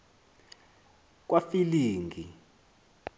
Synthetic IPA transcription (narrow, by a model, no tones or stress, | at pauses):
k̬wafiliːŋɡʱḭ